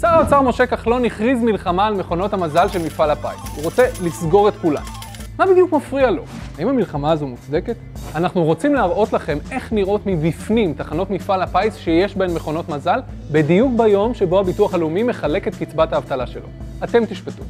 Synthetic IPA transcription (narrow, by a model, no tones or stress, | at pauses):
saʁat͡saʁmo̞ʃe̞kaχlo̞niχʁizmilχamaːlme̞χo̞no̞thamazalʃe̞lmifalapa̰jt͡suʁo̞t͡se̞lisɡo̞ʁe̞t̪kula̰nː | abid̪ijukmafʁialo̞̰haimamilχamaːzomut͡sd̪e̞ke̞t̪anaχnuʁo̞t͡simleaʁʔo̞tlaχe̞me̞χniʁʔo̞tmibifnimt̪aχano̞tmifalapajsʃeje̞ʃbenmːeχo̞no̞tmazal | bedijukbajo̞mʃe̞bo̞habituaχalumime̞χale̞ke̞tkit͡sbataːvt̪alaʃe̞lo̞̰ate̞mt̪iʃpetu̥